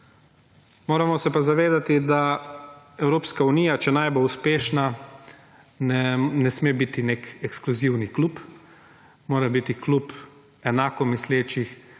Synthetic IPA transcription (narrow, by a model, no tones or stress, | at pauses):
moːɾamɔsɛpazaʋeːd̪at̪id̪a | ɛwɾoːpskauniːjat͡ʃɛnajboluspeːʃna | nɛnɛsmeːbit̪ineːkɛkskluziwniklup | moːɾabit̪iklup | ɛnaːkɔmisleːt͡ʃix